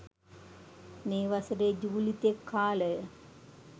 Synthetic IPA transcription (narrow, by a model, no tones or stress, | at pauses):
neːʋasəɾed͡ʒuːlit̪ekʰːaːlə